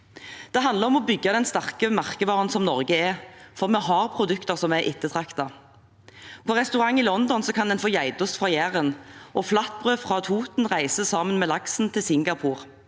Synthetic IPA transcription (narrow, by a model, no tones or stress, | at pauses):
d̪̥ɛɦɑnd̪ləɾɔmɔbʏɡːɑd̪ɛnst̪ɑʁkəmɑʁkəʋɑːʁənsɔmnɔʁɡəɛfɔʁmɛɦɑːʁpʰʁʊd̪ʉkt̪əʁsɔmːæɪʔɪt̪ːət̪ʰʁɑkt̪ɑ | pʰɔːʁɛst̪ʉʁɑŋːilɔnd̪ɔnsɔkʰɑnd̪ɛnfoːjæɪd̪ɔsfʁɑjæːʁənʔɔflɑt̪̚bʁøːfʁɑːt̪ʰuːt̪n̩ʁæɪsəsɑːmənmeːlɑksn̩t̪ʰɪlsɪŋɡɑpʰuːʁ